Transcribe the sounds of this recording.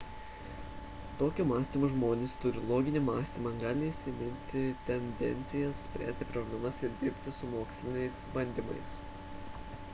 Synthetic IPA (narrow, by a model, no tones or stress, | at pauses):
t̪oːkʲumɑːsʲt̪ʲimuʒmoːnʲɪst̪ʊɾʲɪlˠoːɡʲɪnʲɪmɑːsʲt̪ʲiːmɐɡɑːlʲɪːʃsʲɪnʲɪnʲt̪ʲɪt̪ʲɛnʲd̪ʲɛ̰nʲt̪sʲɪjɛssʲpʲɾʲæ̰ːsʲt̪ʲɪpɾɔbʲlʲɛmɐsɪɾd̪ʲɪɾʲpʲt̪ʲɪsʊmoːksʲlʲɪnʲɛɪsbɐnʲd̪ʲimɐ̰ɪs